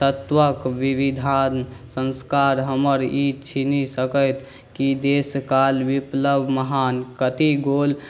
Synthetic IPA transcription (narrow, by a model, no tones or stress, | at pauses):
t̪ət̪ʋəkʋiʋid̪ʱansə̃nskaɾɦəməɾit͡ʃʰinisəkət̪ʰ | kid̪eskalʋipləbʱməɦankət̪iɡol